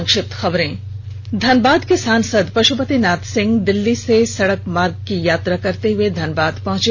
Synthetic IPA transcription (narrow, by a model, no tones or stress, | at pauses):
ŋkʃɪp̚t̪xɐbɾẽː | d̪ʱɐnbaːd̪kesaːnsəd̪pɾɐʃupət̪inaːt̪sɪ̃ŋɡd̪ɪlːisesɐɽəkmaːɾɡkijaːt̪ɾakɐɾt̪eɦʊed̪ʱɐnbaːd̪pɐ̃ɦʊ̃t͡ʃe